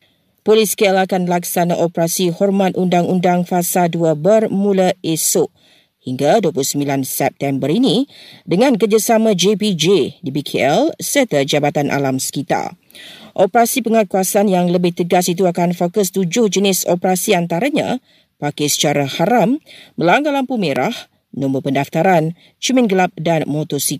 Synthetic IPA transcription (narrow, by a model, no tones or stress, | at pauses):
poliskeɛlakanlaksanaʔopəɾasihɔrmãt̪undaŋundaŋfasaduabərmũlaesʊʔ | hiŋɡaduəpulʊhsəmbilansɛp̚t̪ɛmbəɾinĩdəŋãnkəd͡ʒasamãd͡ʒepid͡ʒedibikʰeɛlsərt̪əd͡ʒabat̪anʔa̰lamsə̥kit̪a̰l | ʔopəɾasipəŋakuasanjaŋləbɪht̪əɡasit̪̬uakanfokəst̪ud͡ʒʊhd͡ʒənɪsopəɾasiant̪aɾaɲã̰ | pakasə̥t͡ʃaɾahaɾamːə̃laŋɡalampumeɾa̰h | nɔ̃mbəpəndaft̪aɾan | t͡ʃəmɛ̃nɡəlap̚danmɔt̪ɔsik